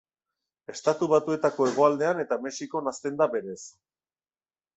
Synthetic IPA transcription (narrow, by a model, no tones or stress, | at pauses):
e̞st̪at̪uβat̪ue̞t̪ako̞e̞ɣ̞o̞ald̪e̞ane̞t̪ame̞siko̞nast̪e̞nd̪aβe̞ɾe̞s